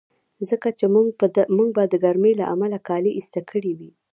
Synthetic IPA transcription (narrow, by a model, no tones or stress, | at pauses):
zəkat͡ʃemuŋɡ̚bad̪əɡaɾmela̰ʔamalakɑleʔist̪akʰəɽiwi